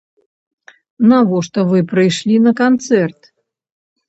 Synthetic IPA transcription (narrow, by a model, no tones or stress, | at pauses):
navɔʂt̪ɔvɨpɾɨjʂlʲinɐkant̪sɛrt̪